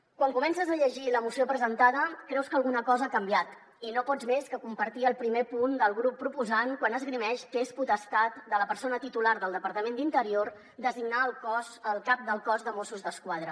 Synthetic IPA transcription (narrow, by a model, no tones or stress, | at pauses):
kwaŋkumɛnsəzəʎəʒiləmusiopɾəzənt̪að̞əkɾɛwskəːlˠɣunəkɔzəakəmbiat̪ | inopɔd͡zmeskəkumpəɾt̪iəlˠpɾimepund̪əlˠɣɾupːɾupuzankwanəzɣɾimɛʃkəesput̪əst̪at̪̚d̪ələpəɾsonət̪it̪ulaɾðəlˠd̪əpəɾt̪əmend̪int̪əɾioɾ | d̪əziɡnalˠkɔzəlˠkap̚d̪əlˠkɔzðəmosuzðəskwað̞ɾə